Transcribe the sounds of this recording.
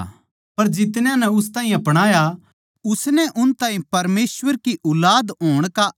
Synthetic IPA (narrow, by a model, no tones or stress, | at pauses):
pɐɾd͡ʒɪt̪njãnɛʊst̪aːĩɐpɽ̃aːja | ʊsnɛʔʊnt̪aːĩpɐɾmeːswəɾkiʔʊlaːd̪ɦoːɽ̃ka